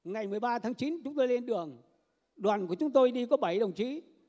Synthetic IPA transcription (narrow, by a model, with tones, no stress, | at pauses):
ŋa˨˩jmɨ˨˩əjɓaː˧t̪ʰaː˨˦ŋt͡ɕi˨˦nt͡ɕʊ˨˦ŋ͡mt̪o˧jle˧nɗɨ˨˩əŋ | ɗwaː˨˩nku˧˩ət͡ɕʊ˨˦ŋ͡mt̪o˧jɗi˧kɔ˨˦ɓə˧˩jɗə˨˩wŋ͡mt͡ɕi˨˦